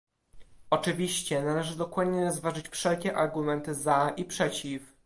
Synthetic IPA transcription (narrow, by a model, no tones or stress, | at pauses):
ɔt͡ʂɘvʲiɕt͡ɕɛnalɛʐɘd̪ɔkwad̪ɲɛɾɔzvaʐɘt͡ɕfʂɛlkʲɛʔaɾɡumɛnt̪ɘzaʔipʂɛt͡ɕif